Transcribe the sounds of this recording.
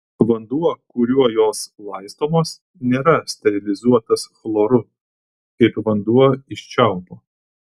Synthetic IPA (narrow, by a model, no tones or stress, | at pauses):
ʋɐnd̪uɔkʊɾʲuɔjoːslˠɐɪst̪oːmoːs | nʲeːɾɐsʲt̪ʲɛɾʲɪlʲɪzuɔt̪ɐsxlˠoːɾʊ | kɐɪpʋɐnd̪uɔɪʃʲt͡ʃʲɛˑʊpoː